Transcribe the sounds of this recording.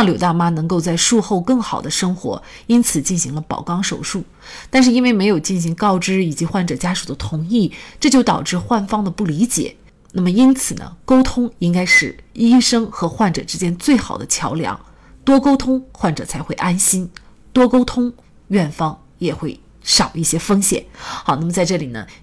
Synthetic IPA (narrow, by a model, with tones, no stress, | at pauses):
ŋljo˨˩ʊt̪a˥˩ma˥nɤ˧˥ŋko˥˧ʊt͡sa˥˧ɪʂu˥˧xo˥˧ʊkɤ˥˩ŋxɑ˨˩ʊd̪ə˦ʂɤ˥ŋxwɔ̰˧˥ | i˥nt͡sʰɹ̩˨˩t͡ɕi˥˩nɕi˧˥ŋlə˧pɑ̰˨˩ʊkɑ˥˩ŋʂo̰˨˩ʊʂu˥˩ | t̪a˥˧nʂ̬ɻ̩˥˧i˥nwe˥˩ɪme˧˥ɪjo˨˩ʊt͡ɕi˥˩nɕi˧˥ŋkɑ˥˧ʊʈ͡ʂɻ̩˥i˨˩t͡ɕi˧˥xwa˥˩nʈ͡ʂɤ˨˩t͡ɕja˥ʂu˨˩d̪ə˦t̪ʰʊ˧˥ŋi˥˩ʈ͡ʂɤ˥˧t͡ɕjo˥˩ʊt̪ɑ̰˨˩ʊʈ͡ʂɻ̩˥˧xwa˥˩nfɑ˥ŋd̪ə˨pu˥˩li˧˥t͡ɕjɛ̰˨˩˦ | na˥˩mə˩i˥nt͡sʰɹ̩˨˩nə̰˦ko˥ʊt̪ʰʊ˥ŋi˥ŋka˥ɪʂɻ̩˥˩i˥ʂɤ˥ŋxɤ˧˥xwa˥˩nʈ͡ʂɤ̰˨˩ʈ͡ʂɻ̩˥t͡ɕjɛ˥nt͡swe˥˩ɪxɑ̰˨˩ʊd̪ə̰˦t͡ɕʰjɑ˧˥ʊljɑ̰˧˥ŋ | t̪wɔ˥ko˥ʊt̪ʰʊ˥ŋxwa˥˩nʈ͡ʂɤ˨˩t͡sʰa˧˥ɪxwe˥˩ɪʔa˥nɕi˥n | t̪wɔ˥ko˥ʊt̪ʰʊ˥ŋ | ɥɛ˥˩nfɑ˥ŋ | jɛ˨˩xwe˥˩ɪ | ʂɑ˨˩ʊi˥˩ɕjɛ˥fɤ˥ŋɕjɛ̰˨˩˦nxɑ˨˧˦na˥˩mə˩t͡sa˥˧ɪʈ͡ʂɤ˥˩li˨˩nə̰˦